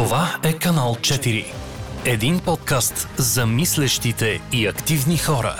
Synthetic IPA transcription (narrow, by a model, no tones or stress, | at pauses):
ovaɛkɐnalˠt͡ʃɛt̪iɾḭ | ɛd̪inpɔt̪̚kast̪zɐmislɛʃt̪it̪ɛiɐkt̪ivnixɔɾə̰